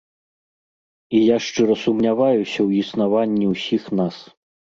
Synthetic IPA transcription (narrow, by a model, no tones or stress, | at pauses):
ijaʂt͡ʂɨɾɐsumnʲavajusʲɐwisnavanʲːiwsʲixnas